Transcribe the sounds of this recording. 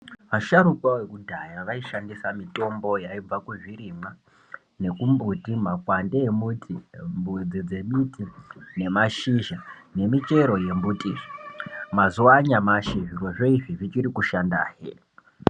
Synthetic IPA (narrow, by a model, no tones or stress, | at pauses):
ʋaʃaɾukwawe̞kudʱajaʋaiʃandisamitʼo̞mbo̞jaib͡vakuʐiɾima | ne̞kumbutimakwandeːmutʰimbud͡zid͡ze̞mitʰine̞maʃiʒane̞mit͡ʃe̞ɾo̞je̞mbutʼiʐmazuaɲamaʃeʐirwo̞ʐo̞iʐiʐit͡ʃiɾikuʃandaːɦḛ